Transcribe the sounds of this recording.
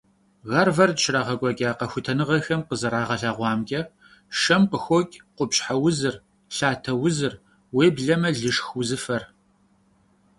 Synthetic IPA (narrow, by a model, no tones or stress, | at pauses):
ɣɐrvɐrtʃraːʁɐkʷʼɔkʲʼaːqɐxʷʊtʰɐnɨʁɐxɐmqəzɐɾaːʁɐɬaːʁʷɑːmɡʲʼɐ | ʂɐmqəxʷokʲʼqʷʊpɕħawʊzɨr | ɬaːtʰɐwʊzɨr | weːbɮɐmɐɮɨʂxwʊzɨfɐr